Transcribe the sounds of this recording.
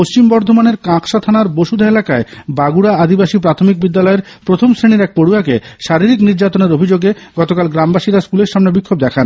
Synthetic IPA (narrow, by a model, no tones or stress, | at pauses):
post͡ɕimbɔɾd̪ʱomaneɾkãkʃat̪ʰanaɾboʃud̪ʱaelakaebaɡuɽaad̪ibaʃip̬ɾat̪ʰomik̚bid̪ːalɔeɾpɾot̪ʰomsɾeniɾɛk̚poɽuakeʃaɾiɾikniɾd͡ʑat̪oneɾobʱid͡ʑoɡeɡɔt̪okalɡɾambaʃiɾaskuleɾʃamnebikʰːob̚d̪ɛkʰan